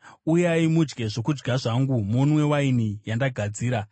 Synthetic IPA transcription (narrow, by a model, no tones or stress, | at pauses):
ujaimud͡ʒɡe̞ʐo̞kud͡ʒɡʱaʐaŋɡumunwe̞wainijandaɡʱad͡ziːɾa